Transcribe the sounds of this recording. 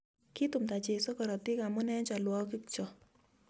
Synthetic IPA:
ki˦t̪u˨mt̪a˨t͡ʃe˨so˦kɔ˨ɾɔ˨t̪ɪ˦ka˨mʊ˦nɛ˦d͡ʒa˨lwɔ˦kɪ˦kt͡ʃɔ˨

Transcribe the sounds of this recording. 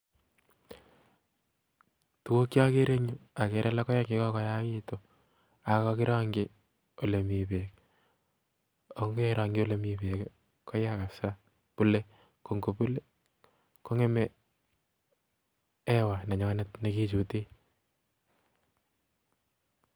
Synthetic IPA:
tu˨wo˦kja˦ke˦ɾe˦ɲu˦a˨ke˨ɾʔɛ˦la˦kɔ˦ja˦ŋɡi˦kɔ˦kɔ˦ja˦ki˦to | a˨kɔkɪ˦ɾa˦ŋɡɪ | o˨le˨mi˨pe˨k | o˦ŋɡeɾa˨ŋɡo˦le˨mi˨pe˨k | kɔ˦jaka˨sa˦ | pu˦le˦ | ko˨ŋɡu˨pu˦le˦ | ko˦ŋe˦mɛ | ɛ˦wa˨na˨ɲɔnetne˦ki˦t͡ʃu˨te˦

